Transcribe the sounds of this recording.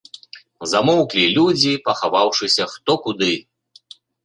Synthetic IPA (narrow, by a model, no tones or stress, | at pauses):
zamɔwklʲilʲud͡zʲipɐxavawʂɨsʲɐxt̪ɔkud̪ɨ